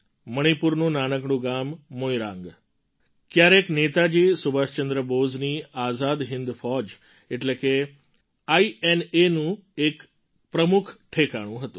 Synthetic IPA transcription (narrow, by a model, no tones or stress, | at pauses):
məɽ̃ipuɾnũnanəkɳ̃ũːɡamːojɾã̰ŋɡ | kjaɾeknet̪ad͡ʑiːsubʱast͡ɕənd̪ɾəbod͡zniːazad̪ɦind̪fɔd͡ʑ | eʈleke | aienenũek | pɾəmukʰʈʰekaɽ̃ũːɦət̪ũː